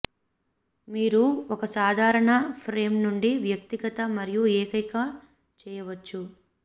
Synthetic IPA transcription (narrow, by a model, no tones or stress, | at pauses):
miːɾuɔkɐsaːd̪ʱaːɾɐɳɐpʰɾeːmnuɳɖiʋjɐk̚t̪iɡɐt̪ɐmɐɾijueːkɐjkɐ | t͡ʃɛːjɐʋɐt͡ʃːu